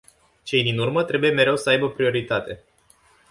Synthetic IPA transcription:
t͡ʃe̞jd̪inurmət̪ɾe̞buje̞me̞ɾe̞wsəajbəpɾio̞ɾit̪at̪e̞

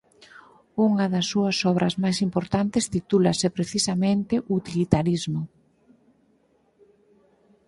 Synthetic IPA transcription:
uŋɐðɐsːuɐsɔβ̞ɾʔɐzmajsimpoɾt̪ant̪ɪst̪it̪ulɐsepɾeθisamẽnt̪ɪʔut̪ilit̪aɾizmʊ

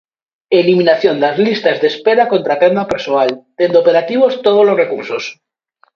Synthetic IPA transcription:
eliminaθjond̪azlist̪azðespeɾakont̪ɾat̪emapeɾsoalt̪end̪opeɾat̪iβ̞ost̪oð̞olozrekuɾsos

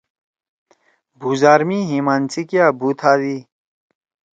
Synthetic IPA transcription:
bʱuːzaːɾmiːɦiːmaːnt͡sikjaːbʱuːt̪ʰaːd̪iː

